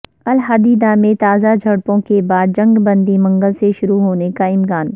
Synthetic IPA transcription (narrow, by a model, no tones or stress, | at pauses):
ɐlɦaːd̪iːd̪amẽt̪aːzad͡ʒʱɐɽpõkebaːd̪̚d͡ʒɐ̃ŋɡbɐ̃nd̪imɐ̃ŋɡəlseʃʊɾuɦoːnekaɪmkaːn